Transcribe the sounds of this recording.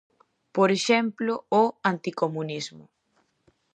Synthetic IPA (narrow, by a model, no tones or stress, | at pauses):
poɾeʃɛmplʊoant̪ikomũnizmʊ